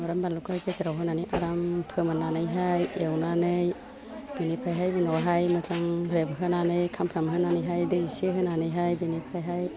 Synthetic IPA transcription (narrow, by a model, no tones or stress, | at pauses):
mɔɾambalukʰajkezɾawɦɯnanijʔaɾampʰɯmɯnanɯjɦajewnanɯj | b̥inipʰajɦajbɯnɔɦajmɯt͡ʃaŋɾebɦɯnanɯjkʰampʰɾamɦɯnanɯjɦajdɯiseɦɯnanɯjɦajbinipʰajɦaj